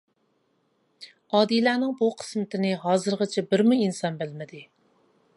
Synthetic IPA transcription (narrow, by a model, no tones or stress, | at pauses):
ɑːd̪ilæːnɪŋbuqʰə̥smɪt̪ʰɪnɪɦɑːzɨɾʁət͡ʃʰɛbɪɾmuinsɑnbɪlmɪd̪ɪ